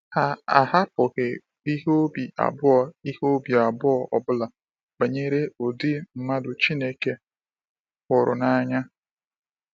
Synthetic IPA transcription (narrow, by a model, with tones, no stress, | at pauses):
ha˦a̰˨ɦa˦pʊ˨ɣɪ˨ | i˦ɦo˦bi˨a̰˨bʊ˦ɔ˦˨i˦ho˦bi˨a˨bʊ˦ɔ˨ɔ̰˨bʊ˦la˨ | ba˨ɲe˦ɾe˦o˨di˦m̩˦ma˦dʊ˨t͡ʃi˦ne˦ke˦ | kʊ˨ɾʊ̰˨na˨ɲa˦